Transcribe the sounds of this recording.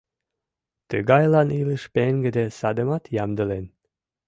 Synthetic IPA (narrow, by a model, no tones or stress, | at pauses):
t̪əɡɑjlɑniləʃpeŋɡə̆d̪esɑd̪ə̆mɑt̪jɑmd̪əlen